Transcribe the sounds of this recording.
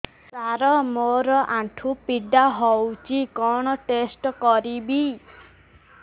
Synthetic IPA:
saɾɔmoɾɔʔãʈʰupiɖaɦɔwt͡ʃikɔɽ̃ɔʈesʈɔkɔɾibi

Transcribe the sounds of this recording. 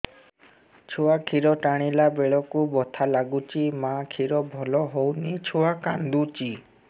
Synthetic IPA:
t͡ʃʰuakʰiɾɔʈaɽ̃ilabeɭɔkubɔt̪ʰalaɡut͡ʃimakʰiɾɔbʱɔlɔɦownit͡ʃʰuwakand̪ut͡ʃi

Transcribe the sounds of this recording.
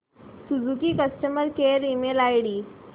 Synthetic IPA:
sud͡zukiːkəsʈəməɾkeɾimelajɽiː

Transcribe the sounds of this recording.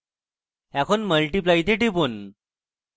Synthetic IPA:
ɛkʰonməlʈip̬lajt̪eʈipun

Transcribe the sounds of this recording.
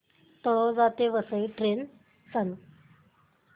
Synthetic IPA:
t̪ɔɭɔd͡zat̪eʋəsəjʈɾen | t͡sanu

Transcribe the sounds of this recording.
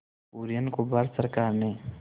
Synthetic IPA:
uːɾijənkobaːɾsəɾkaːɾne

